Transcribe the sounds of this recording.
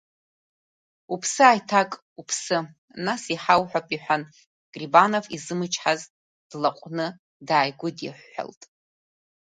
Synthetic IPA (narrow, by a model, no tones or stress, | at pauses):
upʰsɨajtʰakʼ | upʰsɨ | nasiħawħʷᶣapʼiħʷᶣan | ɡ̥ʼribanovizɨmɨt͡ʃʰʼħaz | d̥laqʷʼnɨ | daːjɡʷʊdḭħʷːa̰ltʼ